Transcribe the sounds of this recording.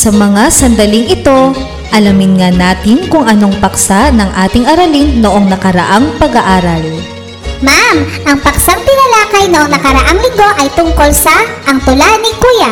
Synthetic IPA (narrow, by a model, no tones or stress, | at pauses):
sɐmɐŋasɐnd̪ɐliŋɪt̪o̞ | ʔɐlɐmɪnŋanaːt̪ɪnkʊŋʔɐno̞ŋpɐksaʔnɐŋʔaːt̪ɪŋʔɐɾɐliŋnoʔo̞ŋnɐkɐɾɐ̰ʔaŋpɐɡɐʔaːɾɐl | mamʔɐŋpɐksaŋpɪnɐlaːkɐjnoʔoŋnɐkɐɾɐʔaŋlɪŋɡo̞ʔɐjt̪ʊŋko̞lsɐʔɐŋt̪ʊlanɪkuːjɐ